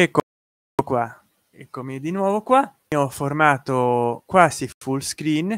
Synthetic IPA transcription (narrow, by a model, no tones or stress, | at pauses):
ɛkːo | okwa | ɛkːomid̪inwɔːvokwa | ɔformaːt̪okwaːsifulskɾin